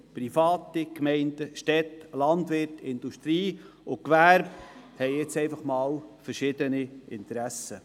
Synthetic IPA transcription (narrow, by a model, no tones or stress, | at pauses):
pɾifɑːt̪ikmɛɪndəʃtɛtlɑnd̪ʋɪɾtɪnd̥uʃt̪ɾiː | ʊkʋæɾbhɛɪɛt͡sɛɪfɑχmɑːlfəɾʃɪd̪əniɪnt̪əɾæsə